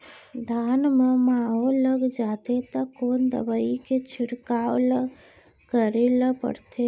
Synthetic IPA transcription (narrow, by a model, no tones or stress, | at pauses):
d̪ʱaːnmẽmãːɦoləɡd͡ʒaːt̪et̪əkːoːnd̪ə̰bəiket͡ʃʰɪɽkaːoləɡ | kəɾelapə̰ɽt̪e